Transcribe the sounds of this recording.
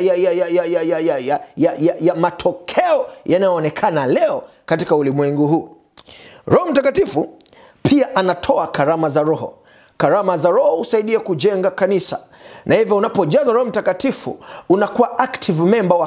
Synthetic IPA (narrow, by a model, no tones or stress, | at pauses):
jajajajajajajajajajajamatʰɔkʰɛɔjanajɔːnɛkʰanalɛɔ | katikaulimwɛŋɡuɦuː | ɾɔhɔm̩takatifu | pʰiaʔanatʰɔakaɾamazaɾɔhɔ̰ | kaɾamazaɾɔhɔhusaiɗiɛkud͡ʒɛŋɡakanisa̰ | nʔahivjɔunapɔʄazaɾɔhɔm̩takatifṵunakuwaʔaktʰivmɛmbawa